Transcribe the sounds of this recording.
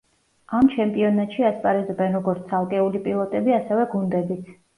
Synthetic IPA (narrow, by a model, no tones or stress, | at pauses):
amt͡ʃʰɛmpʼiɔnat̪ʃiaspʼaɾɛzɔbɛnɾɔɡɔɾt̪sʰalˠkʼɛulipʼilˠɔt̪ʼɛbiasɛvɛɡund̪ɛbit̪ʰ